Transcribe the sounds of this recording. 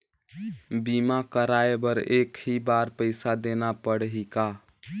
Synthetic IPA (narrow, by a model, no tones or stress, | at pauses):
bimakəɾaebəɾekɦibaɾpəɪsad̪enapəɽɦika